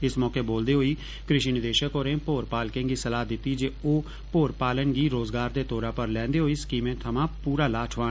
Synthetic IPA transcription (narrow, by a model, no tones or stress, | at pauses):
ɪsmɔːkeːboːld̪eːɦoːiː | kɾɪʃiːnɪd̪eːʃəkoːɾẽːpoːɾpaːlkẽːŋɡiːsəlaːd̪ɪt̪ːiːd͡ʒeːoː | poːɾpaːlənɡiːɾoːzɡaːɾd̪eːt̪oːɾaːpəɾlɛ̃ːnd̪eːɦoːiːskiːmẽːt̪ʰəmãːpuːɾaːlaːʈʰʋaː